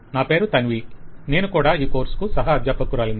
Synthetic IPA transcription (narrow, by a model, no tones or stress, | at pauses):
naːpe̞ːɾut̪ɐnʋiːne̞ːnukuːɽaːiːkoːɾskusɐɦaɐd̪jɐpːɐkːuɾaːlin